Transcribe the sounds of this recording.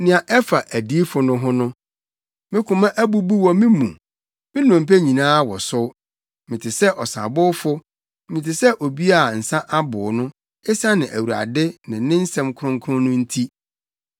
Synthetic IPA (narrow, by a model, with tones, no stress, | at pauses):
nɪ̃˨ã˨ʔɛ˦fa˨ʔæ˨di˦fʊ˨nʊ̃˦ɦʊ̃˦nʊ̃˦ | mɪ̃˦kʰʊ̃˨mã˦ʔæ˦bu˦bu˦wɔ̃˦mɪ̃˦mũ˨ | mɪ̃˦nʊ̃˨m̩˨pæ˦ɲĩ˨nãː˦wɔ˨sʊ˦ | mɪ̃˨tʰɪ˨sɛ˦ʔɔ˨sa̰˨bʊ˦fʊ˦ | mɪ̃˨tʰɪ˨sɛ˦ʔo˨bi˦a˦˨n̩˨sã˦ʔa˦bʊ˨nʊ̃˦ | ɪ˦sa˦nɪ̃˨ʔæ˨wu˨a̰˨dɪ˦nɪ̃˨˦nɪ̃˦n̩˦sɛ̃˦mkʰɾʊ̃˦ŋkʰʊ˦ʊ̃˦nʊ̃˦n̩˦tʰi˦